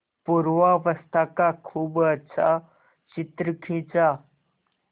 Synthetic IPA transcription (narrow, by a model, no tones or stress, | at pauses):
puɾʋaʋəst̪ʰakakʰuːbətːɕʰa̰ | t͡ɕit̪ɾəkʰĩt͡sa